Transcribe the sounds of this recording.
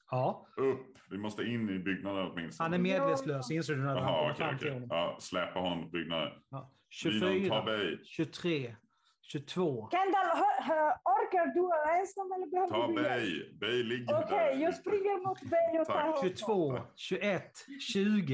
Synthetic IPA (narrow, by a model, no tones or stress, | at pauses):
hɑːɵpːvɪmɔst̪əɪnːɪbʏɡnad̪ənɔt̪mɪnst̪hanæɾmeːd̪veːtsløːssɔɪns̬oːɡd̪aamt̪ʰɪhɔnːɔmɑslɛpːahɔnːɔmʊt̪̚bʏɡ̚nad̪ə̰njɑː | ɕɵfyːɾʰbɛjɕɵt̪ʰɾeː | ɕɵt̪ʰvoːkʰand̪aɦɦɔɾkaɖʉɛnsɔmɛlːəɾbɛhœːɔɛjbɛjlɪɡokʰɛjjɑːspɾɪŋːəɾmʊt̪bɛjɔʃɵt̪ʰvoːɕɵɛt̪ːɕʉ̟ːɡə